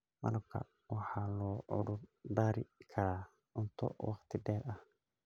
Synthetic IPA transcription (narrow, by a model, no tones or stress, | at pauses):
mɐ̰lɐb̚kʰɐ̰ | wɑħɑːlɔːʕʊ̰ɽʊrd̪aːɾɪkʰɐɾaː | ʊnt̪ʰɔ̰wɑχt̪ʰɪɖɛːɾɐh